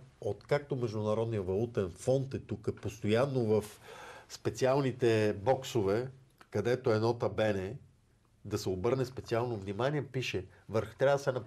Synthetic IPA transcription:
ot̪kak̚t̪omɛʒd̪ʊnɐɾɔd̪nijəvɐlˠut̪ɛnfɔnt̪ɛt̪ukəpost̪ojanːovɐfspɛt̪sialˠnit̪ɛbɔksovɛ | kɐd̪ɛt̪oɛnɔt̪ɐbɛnɛ | d̪ɐsɛobɤɾnɛspɛt̪sialˠnovnimaniɛpiʃɛ | vəɾxt̪ɾʲavəd̪ɐsɛnɐp

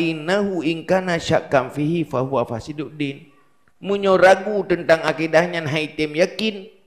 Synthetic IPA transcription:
inːaɦuiŋkanaʃaʔkːamfiɦifaɦuafasiduʔdin | muɲɔɾaɡut̪ənt̪aŋakidahɲanɦait̪ɛmjakin

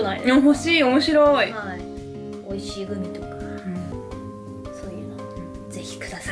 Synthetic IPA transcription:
naid̪aɦo̞ɕiːo̞mo̞ɕiɾo̞ia | o̞iɕiːɡɯ̟mʲit̪o̞kḁ | ɯ̟̃ | sojɯno | d͡ze̞çi̥kɯ̟d̪asa

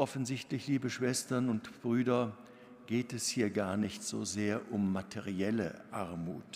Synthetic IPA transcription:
ʔɔfn̩zɪçtlɪçliːbəʃv̥ɛstɐnʊntb̥ʁyːdɐ | ɡ̥eːtɛshiːɐɡaːɐnɪçtz̥o̰ːzeːɐʔʊmːatʰeʁiɛlə̰ʔaɐmuːt

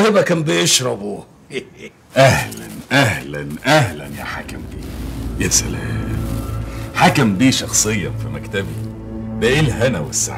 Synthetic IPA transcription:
hebækæmbejeʃɾˤɑbu | ʔæhlæ̰nʔæhlænʔæhlænjæ̰ħakæmbiːjæsæl | ħakæmbiːʃɑxsˤejːɑnfimækt̪æbi | bæʔelɦænæwesːa̰ʕ

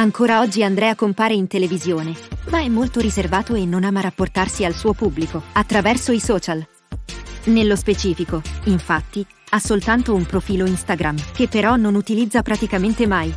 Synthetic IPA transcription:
aŋkoːɾaɔd͡ʒːiand̪ɾɛakːompaːɾeint̪elevizjoːnemaɛmːolt̪oɾizervaːt̪oenːonaːmaɾapːort̪arsialsuːopubːlikoat̪ːɾavɛrsoisɔːt͡ʃal | nelːospet͡ʃiːfikoiɱfat̪ːi | asolt̪ant̪oumpɾofiːloinst̪aɡɾamk̟epːeɾɔnonut̪ilid̪zːapɾat̪ikament̪emaj

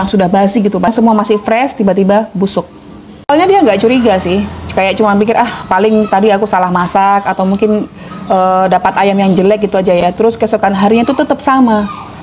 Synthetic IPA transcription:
jaŋsudahbaɦasɪɡit̪upaŋsəmuamasɪhfɾɛst̪ibat̪ibabusʊk̚ | alaɲadiaŋɡaʔt͡ʃuɾiɡasɪhkajak̚t͡ʃumanpikɪrʔahpalɪŋt̪adiakusalahmasakat̪awmuŋkɪn | ʔədapat̪ajamjaŋd͡ʒəlɛk̚ɡit̪uad͡ʒajat̪əɾʊskasokanɦaɾiɲat̪ut̪ət̪əp̚sama

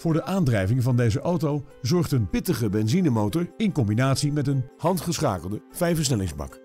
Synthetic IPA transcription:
v̥ʊːɹdəʔaːndrɛjvɪŋvɑndejzəʔowtowzɔɹχtənpɪtəχəbɛnzinəmowtəɹɪnkɔmbinaːtsimɛtənhɑntχəsχa̰ːkəlˠdəv̥ɛjfəɹs̬nɛlɪŋzbɑ̰k

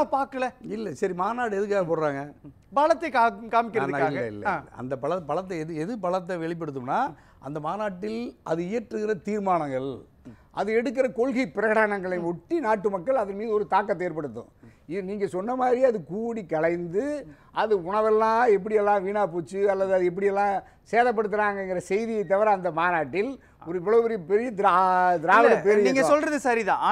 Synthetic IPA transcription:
aːpaːɾkːɐɭɛɪlːɐsɐɾimaːnaːʈɯɛðɯk̬ːaːɣɐpoːɾaːŋɡɐ | bɐɭɐt̪ːɐkakaːmɪkːɪɾɐːðɯnaaːlːɐɪ̰lːɐ̰lɐ̰nd̪ɐpɐɭɐpɐɭɐt̪̬ːɐɛðɯɛðɯpɐɭɐt̪ːɐʋɛɭɪp̬ːɐɽɯt̪ːɯmnaː | ʔɐnd̪ɐmaːnaːʈːɪlʔɐðɯɪjɐɾʈrɯɣɪɾɐt̪iːɾmaːnɐŋɡɐɭ | ʔɐðɯɛɽɯk̬ːɪɾɐkɔɭɣɐɪpɪɾɐɣɐɽaːnɐŋɡɐɭɐɪɔʈːinaːʈːɯmɐkːɐɭɐðɐnmiːðɯɔɾɯt̪aːkːɐt̪ːeːɾpɐɽɯt̪ːʊ̰̃ɪniːŋɡɐsɔnːɐmaːd̪ɾiɐðɯkuːɽikɐɭɐɪnd̪ɯ | ʔɐðɯʊɳɐʋɛlːãːɛpːɐɽɪjɛlːãːʋiːnaːp̬uːt͡ʃːɯɐlːɐðɯɐðɯɛp̬ːɐɽɪjɛlːãː | seːðɐp̬ːɐɽɯt̪ːɯɾaːŋɡɐɛŋɡɪɾɐsɛjðɪjɐɪt̪̬ːɐʋɐɾɐɐnd̪ɐmaːnaːʈːɪl | ɔɾɯɪʋːɐɭoːpɛɾjɐpɛɾɪjɐd̪ad̪ɪɾaːʋɐɾɐpɛɾɪjiːŋɡɐsɔlrɐðɯsɐɾiðã̰ː

